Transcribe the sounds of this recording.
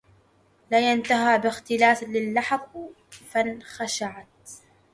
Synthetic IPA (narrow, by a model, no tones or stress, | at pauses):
laːjant̪aɦaːbɪxt̪ɪlaːθlɪlːaħq | fanxaʃaʕat̪̚